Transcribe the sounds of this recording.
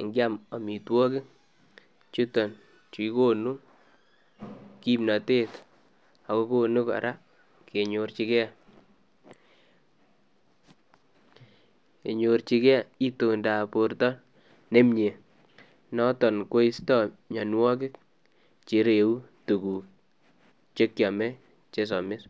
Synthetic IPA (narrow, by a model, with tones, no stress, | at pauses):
ŋɡɪ˦a˦ma˨mi˨twɔ˦kɪ˦k | t͡ʃu˦tɔ˨n | t͡ʃu˨i˦ko˦nu˦ | ki˦mna˨te˦t | a˨ko˦ko˦nu˦ka̰˨ɾʔa˦ | ke˨ɲo˨ɾt͡ʃi˦kɛ˦˨ | e˨ɲo˨rt͡ʃi˦kɛ˦˨i˦to˨nda˨po˨rtɔ˦ | ne˦mɲe˨ | nɔ˦tɔ˨nko˦i˦stɔ˦ɲa˨nwɔ˦kɪ˦k̚ | t͡ʃe˨ɾe˨u˦tu˨ku˨ | t͡ʃe˦kja˨mɛ˦ | t͡ʃe˦s̬ɔ˨mɪ˦s